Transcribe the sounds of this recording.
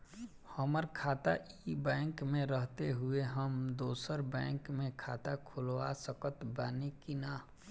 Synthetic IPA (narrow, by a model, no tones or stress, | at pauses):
həməɾkʰaːt̪a̰ʔibɛ̃ːŋkmẽɾəɦt̪eɦʊeɦəmd̪oːsəɾbɛ̃ːŋkmẽkʰaːt̪akʰʊlʋasəkət̪baːnekinaː